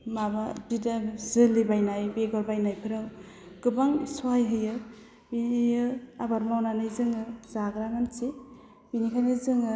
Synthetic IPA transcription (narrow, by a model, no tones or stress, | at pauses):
mababidazɯlɯbajnajbeɡɔɾbajnajpʰɯɾaw | ɡ̥ɯbaŋsuajɦɯjɯ | biijɯabaɾmawnanɯjzɯŋɯzaɡɾaŋanse | binikʰanɯzɯŋɯ